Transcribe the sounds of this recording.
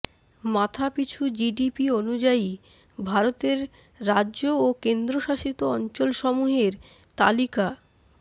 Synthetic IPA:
mat̪ʰapit͡ɕʰud͡ʑiɖipionud͡ʑai | bʱaɾot̪eɾː | aookend̪ɾoʃaʃit̪oɔnt͡ɕolʃɔmuɦeɾ | t̪a̰lika

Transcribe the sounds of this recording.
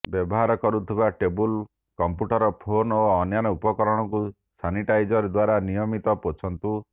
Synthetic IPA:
bjɔbɔɦaɾɔkɔɾut̪ʰibaʈebul | kɔmpjuʈɔɾɔpʰonoɔnjanɔupɔkɔɾɔɽ̃ɔku | saniʈajd͡ʒɔɾed̪waɾanijɔmit̪ɔpot͡ʃʰɔnt̪u

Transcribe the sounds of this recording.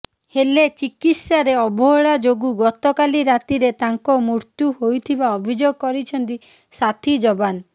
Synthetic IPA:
helet͡ʃikit̪saɾeɔbʱɔɦɔɭad͡ʒoɡuɡɔt̪ɔkaliɾat̪iɾet̪aŋkɔmuɾt̪juhojt̪ʰibaɔbʱid͡ʒoɡɔkɔɾit͡ʃʰɔnt̪i | sat̪ʰid͡ʒɔban

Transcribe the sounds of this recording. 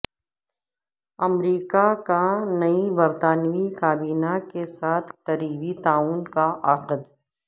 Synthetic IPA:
ɐmɾiːkakanɐibɐɾt̪aːnʋikaːbiːnakesaːt̪ʰqɐɾiːbit̪aːuːnkaʔɐqəd̪

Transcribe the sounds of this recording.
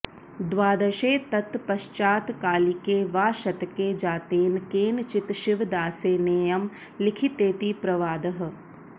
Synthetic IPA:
d̪ʋaːd̪ɐʃeːt̪ɐt̪pɐʃt͡ʃaːt̪kaːlikeːʋaːʃɐt̪keːd͡ʒaːt̪eːnkeːnt͡ʃɪt̪ʃɪʋd̪aːseːneːjɐm | lɪkʰit̪eːt̪ipɾɐʋaːd̪ɐɦə̆

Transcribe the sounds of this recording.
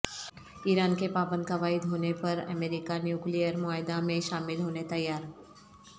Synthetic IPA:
iːɾaːnkepaːbə̃nd̪kaʋaːɪd̪ɦoːnepɐɾə̰meːɾɪkanjuːklijəɾmʊaːɪd̪amẽʃaːmɪlɦoːnet̪ɐjːaːɾ

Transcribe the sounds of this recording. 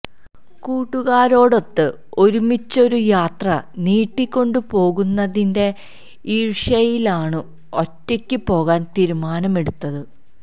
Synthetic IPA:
kuːʈːuɣaːɾo̞ːɽo̞t̪ːɨ | o̞ɾumit͡ɕːo̞ɾujaːt̪rɐniːʈːikʲːo̞ɳɖɨpo̞ːɣunːɐðinde̞ | iːɻʂɐjilaːɳɨ | o̞tːɐkʲːɨpo̞ːɣaːnt̪iːɾumaːnɐme̞ɽut̪ːɐðɨ

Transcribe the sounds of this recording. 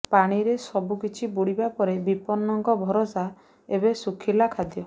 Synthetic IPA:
paɽ̃iɾesɔbukit͡ʃʰibuɽibapɔɾebipɔnːɔŋkɔbʱɔɾɔsa | ebesukʰilakʰad̪jɔ

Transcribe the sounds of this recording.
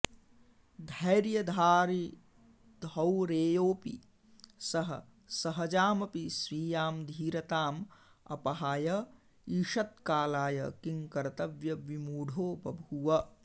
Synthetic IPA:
d̪ʱɐjɾjɐd̪ʱaːɾi | d̪ʱɐwɾeːjoːpḭ | sɐɦɐ | sɐɦɐd͡ʒaːmɐpisɾiːjaːmd̪ʱiːɾɐt̪aːm | ɐ̰pɐɦaːjɐ | iʃɐt̪̚kaːlaːjɐ̰kiŋkɐɾt̪ɐʋjɐʋimuːɖʱoːpɐbʱuʋɐ

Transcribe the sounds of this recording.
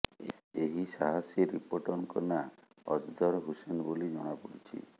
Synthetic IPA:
eɦisaɦasjɔɾipoʈɔnkɔna | ɔ̰d͡ʒd̪ʱɔɾɦusenbolid͡ʒɔɽ̃apɔɽit͡ʃʰḭ

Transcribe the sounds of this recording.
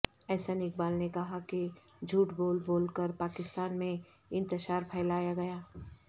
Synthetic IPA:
ɛːsanɪk̚baːlnekɐɦaki | d͡ʒʱuːʈboːlboːlkəɾpaːkɪst̪aːnmẽ | ɪ̃nt̪əʃaːɾpʰɛːɪlaːjaɡɐjaː

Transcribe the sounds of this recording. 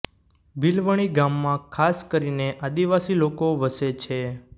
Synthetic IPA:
bilʋəɽ̃iɡamːãkʰaskəɾineʔad̪iʋasilokoʋəset͡ʃʰe

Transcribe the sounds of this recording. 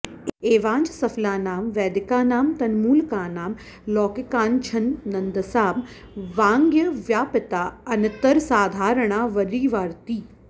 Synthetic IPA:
eːʋãːɲd͡ʑsɐflaːnaːmʋɛːd̪ɪkaːnaːmt̪ɐnmuːlkaːnaːm | lɔːkɪkaːnt͡ʃʰɐnːɐnd̪əsaːm | ʋãːŋɡjəʋjaːpɪt̪aːɐnɐt̪ɐɾsaːd̪ʱaːɾəɽ̃aːʋɐɾiːʋaːɾt̪iː

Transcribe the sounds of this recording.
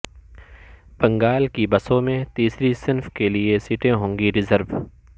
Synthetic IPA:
b̥ɐ̃ŋɡaːlkibɐsõmẽt̪iːsɾisɪnfkeliesiːʈẽɦõːŋɡiɾɪzəɾʋ

